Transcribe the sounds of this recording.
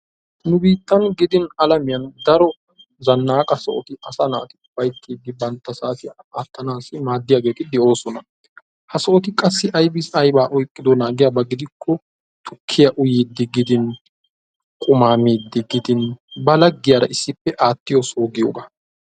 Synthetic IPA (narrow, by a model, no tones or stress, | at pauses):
nʊbiːt̪ʼːɐnɡɪd̪ɪnɐlɐmɪjɐnd̪ɐɾɔ | zɐnːaːkʼɐsɔʔɔt̪ɪɐsɐna̰ːt̪ɪ̥b̥ɐjt̪ʰːiːd̪ːɪbɐnt̪ːɐsaːt̪ɪ | aːt̪ːɐnaːsɪmaːd̪ːɪjaːɡe̞ːt̪ɪd̪ɛʔo̞ːsɔnɐ | hɐsɔʔɔt̪ɪkʼɐsːɪʔɐjbɪsɐjbaːʔɔjkʼːɪd̪ɔnaːɡɪjɐbɐɡɪd̪ɪkʰːɔ | t̪ʰʊkʰːɪjɐʔʊjiːd̪ːɪɡɪd̪ɪn | kʼʊmaːmiːd̪ːɪɡɪd̪ɪnbɐlɐɡːɪjaːɾɐ̰ʔɪsːɪpːɛʔaːt̪ːɪjɔsoːɡɪjo̰ːɡa